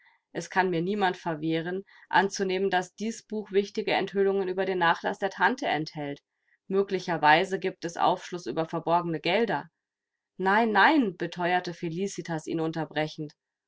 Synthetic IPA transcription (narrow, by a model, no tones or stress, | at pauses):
ʔɛskʰanmiːɐniːmantfɛɐveːʁ̞ən | ʔa̰nt͡suneːməndasd̥iːsb̥uːxv̥ɪçtɪɡəɛ̰nthʏlʊŋənyːbɐdeːnːaːχla̰sd̥eːɐtʰantəɛnthɛlt | møːklɪçɐvaɪzəɡiːp̚tɛsʔa̰ʊfʃlʊsʔy̰ːbɐfɛɐbɔɐɡənəɡɛldɐ | naɪnːaɪnb̥ətʰɔʏɐtəfeliːsitʰasʔḭːnʊntɐbʁɛçn̩t